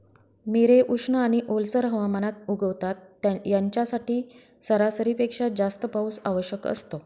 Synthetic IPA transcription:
miɾeʔuʂɳəaɽ̃iʔolsəɾɦəʋamanat̪̚uɡʱəʋt̪at̪ːjaɲt͡ɕjasaʈiː | səɾasəɾipekʂad͡zast̪əpausa̰ʋəɕjəkə̰st̪o

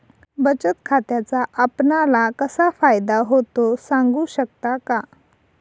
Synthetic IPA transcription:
bət͡ɕət̪kʰat̪jat͡saʔapnalakəsafajd̪aɦot̪osãŋɡuːɕək̚t̪aka

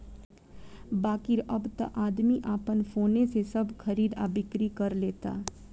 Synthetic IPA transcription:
baːkɪɾɐbt̪a̰ʔaːd̪miʔaːpənfoːnesesɐbxɐɾiːd̪a̰ːbɪkɾikɐɾleːt̪a̰ː

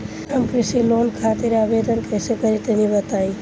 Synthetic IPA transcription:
ɦəmkɾɪsiloːnkʰat̪iɾabed̪ənkəːsekəɾit̪enibət̪aːĩ

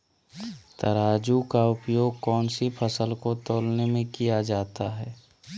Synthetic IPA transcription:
t̪ɐɾaːd͡ʒukaʊpjoːɡ̚kɔːnsipʰəsəlkot̪oːlnemẽkijad͡ʒaːt̪aɦɛː

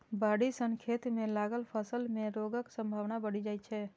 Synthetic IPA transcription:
baɽisəŋkʰet̪mẽlaɡəlpʰəsəlmẽɾoɡəksə̃mbʱaʋnabəɽid͡ʒajt͡ʃʰɛ

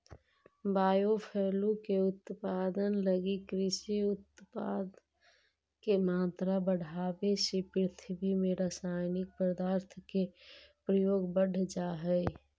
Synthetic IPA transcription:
baːjopʰɛːlũkeʊt̪paːd̪ənləɡikɾɪʃiʊt̪paːd̪ | kemaːt̪ɾabəɽ̤ʱaːbesepɾɪt̪ʰbimẽɾasaːɪnɪk̚pɾəd̪aːɾt̪ʰkepɾəjoːɡbəɽ̤ʱd͡ʒaːɦɛɪ

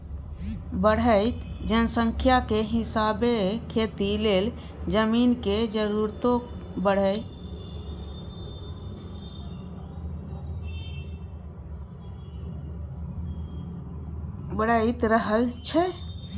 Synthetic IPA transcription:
bəɽ̤əɪt̪d͡ʒənsə̃ŋkʰjakeɦɪsabekʰet̪ileːl | d͡ʒəmiːnked͡ʒəɾuɾt̪õ | bəɽ̤ə | bəɽəɪt̪ɾəɦəlt͡ʃʰɛ

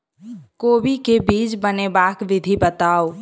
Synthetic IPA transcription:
koːbikebiːt͡ʃbənebaːkʋɪd̪ʱibət̪aːo

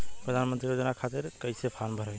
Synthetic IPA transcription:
pɾəd̪ʱanmənt̪ɾijod͡ʒənakʰat̪iɾkəjsepʰanbʱəɾəj

